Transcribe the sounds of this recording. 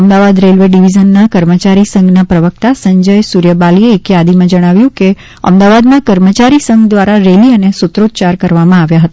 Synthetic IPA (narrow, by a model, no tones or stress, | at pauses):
əmd̪aʋad̪ɾelʋeɖiʋizənːakəɾmət͡ʃaɾisəŋɡnapɾəʋək̚t̪asəɲd͡ʒəjsuɾjəbalieːkjad̪imãd͡ʒəɽ̃aʋjũke | ə̰md̪aʋad̪mãkəɾmət͡ʃaɾisəŋɡd̪ʋaɾaɾeliənesʊt̪ɾod̪̚t͡ʃaɾkəɾʋamãaʋjaɦət̪a